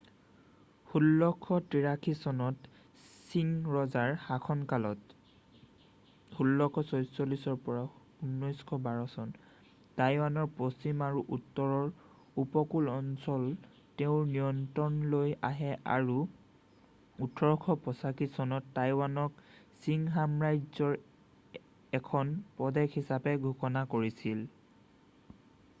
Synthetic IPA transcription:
hulːɔkʰːɔtiɹakʰisɔnɔt | sinɹɔzaɹhakʰɔnkalɔt | hulːɔkʰɔsojsolisɔɹpɔɹa | unːɔjskʰɔbaɹɔsɔn | tajwanɔɹpɹost͡ʃimaɹuʔutːɔɹɔɹ | upɔkulɔnsɔl | teʊ̃nijɔntɔnloja̰ɦɛʔa̰ɹu | utʰɔɹɔkʰɔpɔsakisɔnɔtːajwanɔksiŋɦamɹajzɔɹ | ɛkʰɔnpɔdɛkhisapɛɡʱukɔnakoɹisil

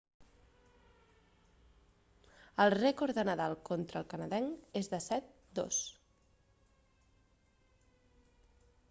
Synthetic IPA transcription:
əlˠrɛkoɾðənəðalˠkɔnt̪ɾəlˠkənəðɛŋezðəsɛt̪̚ | d̪o̰s

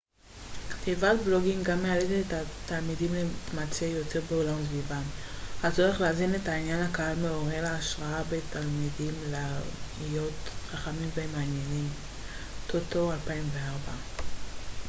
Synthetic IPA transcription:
kt̪ivatblo̞ɡimɡamːealet̪etet̪at̪almidimletmat͡sejo̞te̞ʁbeolamsvivahat͡soʁeχleaːzine̞tainjanhakaɦalmeo̞ʁeleːʃʁaabet̪ʰalmidimleijo̞tχaχamimveemaːnjenim | t̪ʰot̪o̞alpaimveaʁba

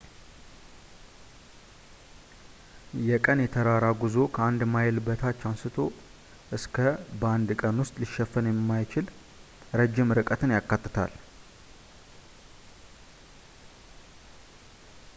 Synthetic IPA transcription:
jɛkʼənjɛt̪ʰəɾaɾaɡuzo̞kʰəand̪majɪlbət̪ʰat͡ʃːansɨt̪ʰo̞ | ʔɨskʰəbəand̪kʼənwʊst̪ʼliʃɛfːənjɛmːajt͡ʃɪl | ɾəd͡ʒːɪmɾɨkʼət̪ʰɨnjakːat̪ːɨt̪ʰa̰l

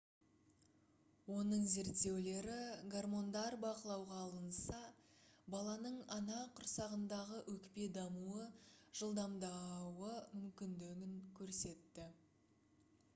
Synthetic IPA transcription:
wo̞nəɴze̞ɾt̪ːe̞wle̞ɾɪɡarmo̞nd̪ɑɾbɑqəlˠɑwʁɑːlˠənsɑ | bɑlˠɑnəɴɑnɑqʰʊɾsɑʁənd̪ɑʁəʔɵkpe̞d̪ɑmuəʒ̥əlˠd̪ɑmd̪ɑwəmʏmkʲɪnd̪ɪɡʲɪŋkʲʰɵɾse̞t̪ːɪ

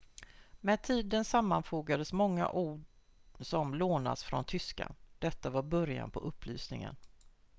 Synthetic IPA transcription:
mɛd̪̚t̪ʰiːd̪ənsamːanfoːɡad̪əsmɔŋːa̰ʔuːɖ | sɔmloːna̰sfɾɔnt̪ʰʏska̰d̪̥ɛt̪ːavaɾbœɾja̰npʰɔʔɵpːly̰ːsnɪŋə̰n

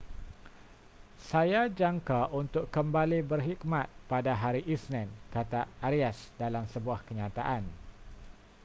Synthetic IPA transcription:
sajad͡ʒaŋkaʔunt̪ʊkːəmbalibərɦikmat̪̚padaɦaɾiʔisnɛ̃nkat̪aːɾiasdalamsəbuahkəɲat̪aʔan

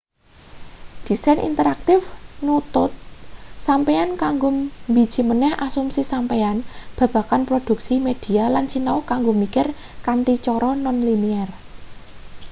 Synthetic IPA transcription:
d̪̥i̤sanʔḭnt̪əɾak̚t̪ɪfnut̪ʊt̪̚sampeankaŋɡombi̤̥ʒ̥i̤mənɛhʔasumsisampeanb̥ä̤b̥a̤kanpɾod̪̥ṳk̚simed̪̥i̤alant͡ʃinaokaŋɡomikɪr | kant̪it͡ʃɔɾɔnɔnliniɛr

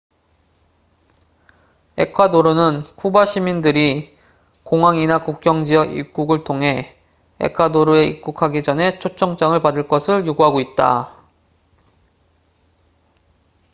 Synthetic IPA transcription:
e̞̰kʰadoɾonɯnkʰubaɕʰimindɯɾi | koŋɦwaŋinakuk̚k͈jʌŋd͡ʑijʌɡḭp̚k͈uɡɯɭtʰoŋɦe̞ | ḛkʰwadoɾoe̞ḭk̚k͈ukʰaɡid͡ʑʌne̞t͡ɕʰot͡ɕʰʌŋt͡ɕ͈aŋɯɭpadɯɭk͈ʌsʰɯɭjoɡuɦaɡoit̚t͈a̰

